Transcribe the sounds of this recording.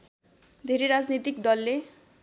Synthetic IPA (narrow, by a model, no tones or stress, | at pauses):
d̪ʱeɾeɾad͡znit̪ikd̪ʌlːe